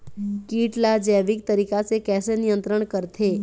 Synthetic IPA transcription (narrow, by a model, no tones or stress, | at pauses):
kiːʈlad͡ʒɛʋik̚t̪əɾiːkasekɛːsenijənt̪ɾəɳkəɾt̪ʰe